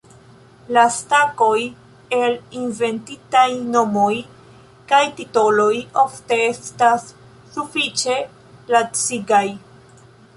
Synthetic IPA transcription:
lastako̞j | e̞linve̞ntitajno̞mo̞j | kajtito̞lo̞jo̞fte̞e̞stasː | ufit͡ʃe̞ | lat͡siɡaj

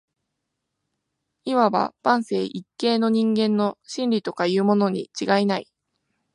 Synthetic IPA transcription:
imaβa̰b̥ãɰ̃se̞ːʔikːe̞ːno̞ɲ̟ĩŋɡẽ̞nːo̞ɕĩnɾʲit̪o̞kajɯ̟ːmo̞no̞ɲ̟ḭt͡ɕiɡainai

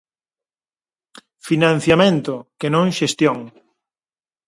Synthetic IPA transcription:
finãn̟θjamẽnt̪ʊkenõŋʃest̪joŋ

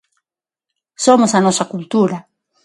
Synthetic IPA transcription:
somosanosakult̪uɾa

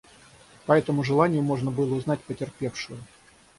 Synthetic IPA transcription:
pɐɛt̪əmʊʐɨlˠanʲɪjʊmo̞ʐnəbɨlˠəʊznatʲpətʲɪrpʲe̞fʂʊjʊ

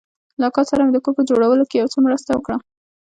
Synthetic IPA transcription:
lɑkɑsaɾamed̪əkopəd͡ʒoɽawəlokejawt͡somɾəst̪awəkɽa

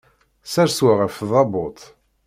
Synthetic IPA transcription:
sæɾswaʁəfðˤɑbʊt̪ˤ

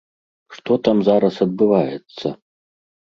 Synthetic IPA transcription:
ʂt̪ɔt̪amzaɾɐsɐd̪̚bɨvajɛt̪sːɐ

